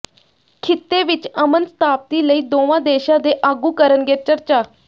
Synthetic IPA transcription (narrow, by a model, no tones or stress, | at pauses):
kʰɪt̪ːeːʋɪt͡ʃəmənsə̥t̪ʰaːp̚t̪iːləiːd̪oːʋãːd̪eːʃãːd̪eːʔaːɡuːkəɾənɡeːt͡ʃəɾt͡ʃaː